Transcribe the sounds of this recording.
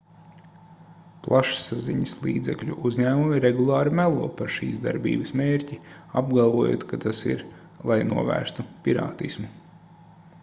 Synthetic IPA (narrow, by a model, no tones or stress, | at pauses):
plˠʔaʃsazḭɲəslˠḭːd̪zɛklʲuʔuzʲɲæːmumiɾɛɡulˠɑːɾimælˠuɔpaɾʃḭːsd̪a̰ɾbḭːbəsmeːɾʲciab̚ɡalˠvuɔjo̰ːt̪kat̪asḭɾ | lˠajnuɔvæ̰ːɾst̪upʲiɾa̰ːt̪ismu